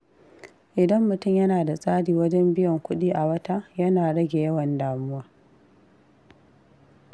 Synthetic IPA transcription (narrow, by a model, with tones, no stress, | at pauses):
ʔɪ˨dɐ˦mːʊ˨tʊ˦˨mjɐ˦naː˨da˨sʼaː˦ɽiː˨wɐ˦d͡ʒɛ˦mbɪ˦jɔ˨ŋkʷʊ˦ɗiː˦ʔa˨wɐ˦ta˦jɐ˦naː˨ɽɐ˦ɡʲe˨jɐ˦wɐ˨ndaː˨mʊ˦waː˦